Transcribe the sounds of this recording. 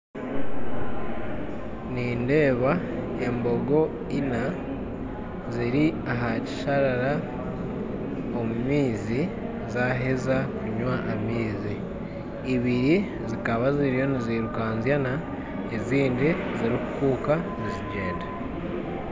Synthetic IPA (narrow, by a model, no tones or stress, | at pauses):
niːnde̞ːβa | e̞mbo̞ɡo̞ | ina | ziɾiaɦaci̥ʃaɾaɾa | o̞mumiːzi | zaɦezakuɲwaʔamiːziː | βiɾi | zikaβaziɾijo̞niziɾukaːnzjana | eziːndi | ziɾikukuːkaziziɟe̞ːnda